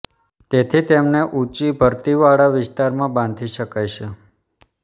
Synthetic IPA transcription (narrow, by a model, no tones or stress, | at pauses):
t̪et̪ʰit̪emneʔut͡ʃibʱəɾt̪iʋaɽaʋɪst̪aɾmãbãn̆d̪ʱiʃəkajʃe